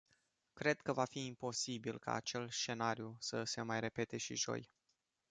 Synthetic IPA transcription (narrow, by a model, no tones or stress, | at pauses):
kɾe̞d̪̚kəvafiːmpo̞sibilka̰ːt͡ʃe̞lʃt͡ʃe̞naɾiusəse̞majre̞pe̞t̪e̞ʃiʒo̞̰j